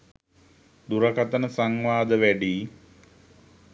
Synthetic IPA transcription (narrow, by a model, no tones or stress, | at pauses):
d̪uɾəkat̪ənəsaŋʋaːd̪əʋæɖiː